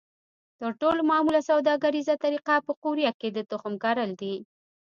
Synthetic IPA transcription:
t̪əɾʈolomɑmulasawd̪ɑɡaɾizat̪aɾiqapəquɾjaked̪ət̪ʊxəmkɑɾəld̪i

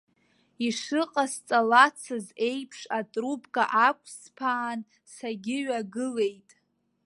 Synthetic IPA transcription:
iʂɨqʼast͡sʼalat͡sʰɨze̞jpʰʂatʼrupʰʼkʼaʔakʷʰʼspʰaːn | saɡʲɪɥaɡɨle̞jtʼ

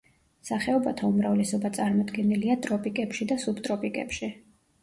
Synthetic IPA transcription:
saχɛɔbat̪ʰaumɾavlɛsɔbat̪sʼaɾmɔd̪ɡɛniliat̪ʼɾɔpʼikʼɛpʃid̪asubt̪ʼɾɔpʼikʼɛ̰pʃi

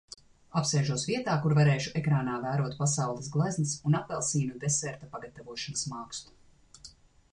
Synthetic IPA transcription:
apsɛːʒuɔsviɛt̪aːkuɾvaɾeːʃuʔɛkɾaːnaːvæːɾuɔt̪̚pasawlˠisɡlˠajznisunapɛlˠsiːnud̪ɛsɛɾt̪apaɡat̪avuɔʃanɐsmaːkst̪u̥

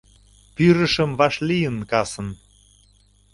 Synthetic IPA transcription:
pyɾə̆ʃəmvɑʃlijənkɑsə̆n

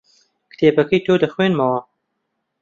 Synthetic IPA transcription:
kt̪ʰeːbɐkɐjt̪ʰoːd̪ɐxweːnmɐwɐ

